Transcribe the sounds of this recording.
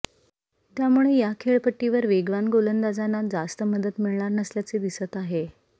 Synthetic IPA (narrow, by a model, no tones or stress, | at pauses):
t̪jamuɭejakʰeɭpəʈːiʋəɾʋeɡʋanɡolənd̪ad͡zanad͡zast̪əməd̪ət̪miɭɳaɾnəsljat͡sed̪isət̪aɦe